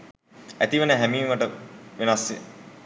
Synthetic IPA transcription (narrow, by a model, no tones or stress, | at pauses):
æt̪iʋenəɦæmiːʋəʈəʋenasːe